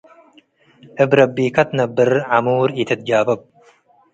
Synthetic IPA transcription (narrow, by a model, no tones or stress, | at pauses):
ʔɨbɾɐbːiːkɐt̪nɐbːɨɾʕamuːɾɪt̪ʰɨt̪̚d͡ʒaːbɐb̚